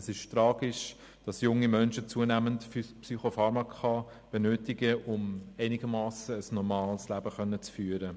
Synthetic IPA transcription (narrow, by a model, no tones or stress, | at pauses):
əsɪʃtɾɑːɡɪʃ | d̥ɑsjʊŋːimœnʃət͡suənæməntfyspsyχofɑɾmɑkʰɑ | b̥ɛnøːtɪɡəʔʊmæɪnɪɡ̥əmɑːsəːsnɔɾmɑːlslæbəχœnːət͡sfyːəɾə